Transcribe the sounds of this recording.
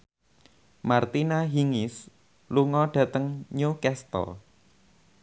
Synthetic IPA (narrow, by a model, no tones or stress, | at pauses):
mart̪inaɦiŋɪs | luŋɔɖ̥ä̤t̪əŋɲukɛst̪ɔ̰